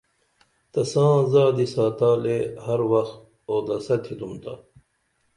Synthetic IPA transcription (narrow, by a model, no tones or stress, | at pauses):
t̪ɐsãːzaːd̪isaːt̪aːleːhɐɾwɐxt̪ | oːd̪ɐsɐt̪ʰid̪umt̪ɐ̰